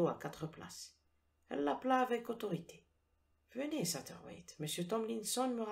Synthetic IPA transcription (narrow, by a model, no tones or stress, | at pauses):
oa̰kat̪χəpla̰s | ɛ̰lːaplaːvɛkot̪ɔʁit̪ʰe̥ | vənesat̪ɛʁwɛ̰t̪məsjøt̪ɔmlinsɔnməʁ